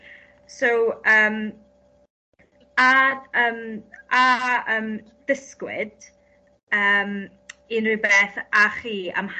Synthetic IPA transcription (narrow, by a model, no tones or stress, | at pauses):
sowəːm | adəːmaəːm | d̥əskwɪ̰d̥ | əːm | ɪnriːbeːθaχiːa̰mh